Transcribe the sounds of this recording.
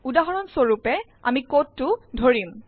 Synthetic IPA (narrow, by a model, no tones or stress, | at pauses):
udaɦɔɹɔnsoɹupɛ | a̰mikotːʊdʱoɹim